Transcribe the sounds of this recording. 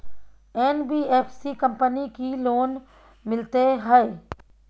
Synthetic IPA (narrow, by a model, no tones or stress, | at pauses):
ɛːnbiːeːpʰsikə̃mpənikiloːn | mɪlt̪eɦɛe